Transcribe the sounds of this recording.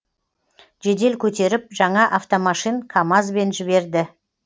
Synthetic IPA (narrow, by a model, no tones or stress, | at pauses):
ʒe̞d̪e̞lkʲʰɵt̪e̞ɾɪp̚ʒɑɴɑʔaft̪o̞mɑʃinkʰamɑzbe̞nʒɪβe̞ɾd̪ɪ